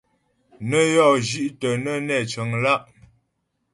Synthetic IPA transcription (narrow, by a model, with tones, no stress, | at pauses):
nə˦jɔ˦˨ʔd͡ʒi˦ʔtə˨nə˦nɛ˨t͡ʃə˨ŋla˦˨ʔ